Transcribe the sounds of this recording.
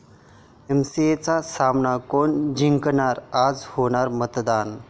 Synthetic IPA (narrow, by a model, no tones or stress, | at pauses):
emsiet͡sasamnakoɳd͡ʑiŋknaɾad͡zhoɽ̃aɾmət̪d̪an